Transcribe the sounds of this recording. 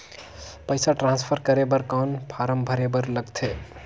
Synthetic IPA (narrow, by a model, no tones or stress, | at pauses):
pəɪsaʈɾãnspʰəɾkəɾebəɾkanpʰaɾəmbʱəɾebəɾləɡt̪ʰe